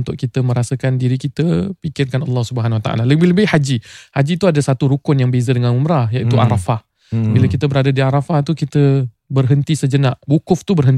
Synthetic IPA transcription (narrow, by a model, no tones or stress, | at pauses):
nt̪ʊʔkit̪əmə̃ɾasəkandiɾikit̪əpikɪrkanɑlːɑhsubəɦanwat̪a̰ʔa̰laləbɪhləbɪhhad͡ʒihad͡ʒit̪uadasat̪uɾukʊnjaŋbezədəŋãnumɾajaʔit̪ua̰ɾafah | bilakit̪əbəɾadadiaɾafaht̪ukit̪ə | bərɦənt̪isəd͡ʒənaʔbukʊft̪ubərɦənt̪